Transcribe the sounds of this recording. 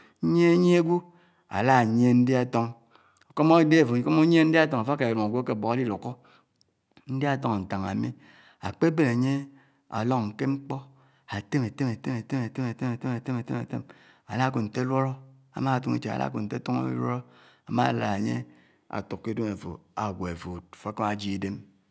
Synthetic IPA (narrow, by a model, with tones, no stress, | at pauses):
ɲe˦ɲe˦e˦ɡʷu˦ | a̰˨la˦˨ɲe˦n̩˦di˦a˦to˦ŋ | o˨ko˦mo˦de˦e˨fo˨˦o˦mo˦ɲ˦e˦n̩˦di˦a˦to˦ŋa˨fa˦ka˨e˨ɾu˨ŋ˨ɡʷu˦ke˦a˨bo˨ka˦i˦lo˨ko˦ | n̩˦di˦a˦to˦ŋa˨n̩˨ta˨ŋa̰˨mi˦ | a̰˨k͡pe˦be˦ne˨ɲe˦ | a̰˨lo˦ŋŋ̩˨ke˦ŋ͡m̩˦k͡po˦ | a˨te˦me˨te˦me˨te˦me˨te˦me˨te˦me˨te˦me˨te˦me˨te˦me˨te˦mḛ˨tḛ˦m | a̰˨la˦˨ku˨n̩˨te˦lwo˦ɾo˦ | a̰˨ma˦˨tu˦ŋḛ˨t͡ʃe˨a̰˨la̰˦ku˨n̩˨te˦tu˦ŋ̰˦lwɔ̰˦ɾo˦a˨ma̰˦˨la̰˨e˨ɲḛ˦ | a̰˨tu˨kːe˦do˦me˨fo̰˨a˨ɡʷe˨e˨fo˨fko˦ma˨d͡ʒi˦e˨de˦m